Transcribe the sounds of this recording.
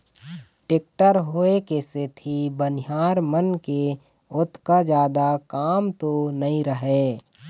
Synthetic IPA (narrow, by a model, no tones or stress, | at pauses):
ʈek̚ʈəɾɦoːekeset̪ʰibənɪjaːɾmənke | ʊt̪ʰkad͡ʒjaːd̪akaːmt̪onəĩɾəɦeː